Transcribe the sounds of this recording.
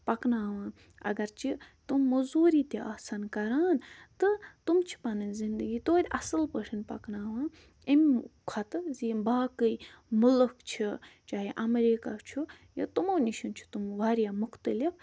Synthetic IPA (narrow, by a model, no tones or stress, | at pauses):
pɐknaːʋãː | ɐ̰ɡɐɾt͡ʃʰit̪umːuzuːɾiːt̪eʔasankɐɾaːnt̪ɨt̪umt͡ʃʰi̥pɐnɨnʲzind̪əɡiːt̪oːd̪ʲɐsɨlpəʈʰinpɐ̰knaːʋãː | imʲkʰɐt̪ɨzimbaːkəjmulɨkt͡ʃʰit͡ʃaːɦeʔɐmɾiːkaːt͡ʃʰu | jɐ̰t̪umoːnʲiʃint͡ʃʰu̥t̪umʋaːɾjaːmʊxt̪əlif